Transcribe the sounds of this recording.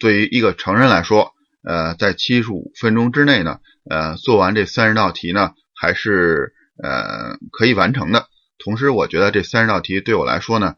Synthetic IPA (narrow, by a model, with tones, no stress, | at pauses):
t̪we˥˩ɪy˧˥ʔi˧˥ɡə˧ʈ͡ʂʰɤ˧˥ŋɻə˥˧nla˧˥ɪʂwɔ˥ | ə˧t͡sa˥˩ɪt͡ɕʰi˥ʂɻṵ˨˩fə˥nʈ͡ʂʊ˥ŋʈ͡ʂɻ̩˥ne˥˩ɪnə̰˩ | ə˧t͡swɔ˥˩wa˧˥nʈ͡ʂɤ˥˩sa˥nɻ̩˥t̪ɑ˥˩ʊt̪ʰi˧˥nə˧ | xa˧˥ɪʂɻ̩˥˩ | ə̰˩kʰɤ˧˥i˨˩wa̰˧˥nʈ͡ʂʰɤ˧˥ŋd̪ə˧ | t̪ʰʊ˧˥ŋʂ̬ɻ̩˧˥wɔ˨˩t͡ɕɥɛ˧˥d̪ə˧ʈ͡ʂɤ˥˩sa˥nɻ̩˧˥ɑ˥˩ʊt̪ʰi˧˥t̪we˥˩ɪwɔ˨˩la̰˧˥ɪʂwɔ˥nə˨˩